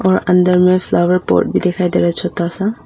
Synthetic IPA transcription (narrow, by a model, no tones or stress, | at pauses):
ɔɹand̪əɹmɛpʰlawɛɹpɔ̰ɹt̚bid̪ɛkʰajd̪ɛɹat͡ʃʰɔt̪asa